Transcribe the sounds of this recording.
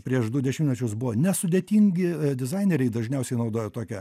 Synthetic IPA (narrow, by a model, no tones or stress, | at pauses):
pʲɾʲiɛʃd̪ʊdʲɛʃʲɪmtʲnʲɛt͡ʃʲʊsbʊʋonʲɛsʊd̪ʲeːt̪ʲiːŋʲɡʲɪd̪ʲɪzɐɪnʲɛɾʲɛɪd̪ɐʒʲnʲɛʊsʲɛɪnɐʊd̪oːjɛt̪oːkʲɛ